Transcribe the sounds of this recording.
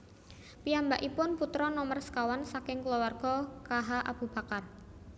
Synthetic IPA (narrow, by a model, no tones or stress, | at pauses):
piambaʔipʊnput̪ɾɔnɔmərskawansakɪŋklɔwarɡ̥ɔkaɦaʔa̰b̥ṳb̥a̤kar